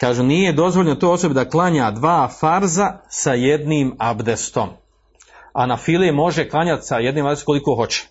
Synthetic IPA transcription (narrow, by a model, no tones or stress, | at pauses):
kaːʒunijed̪o̞zʋoʎnot̪oːo̞sobid̪aklˠaɲaːd̪ʋaːfaɾzasaje̞d̪niːmabd̪est̪o̞̰m | a̰nafilemo̞ʒeklˠaɲat̪saje̞d̪niːmab̪dest̪kolikoːɦo̞t͡ɕe̥